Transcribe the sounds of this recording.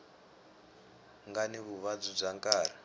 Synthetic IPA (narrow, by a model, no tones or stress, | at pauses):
ŋɡaniβuβad͡zub͡ʐaŋkaːɾa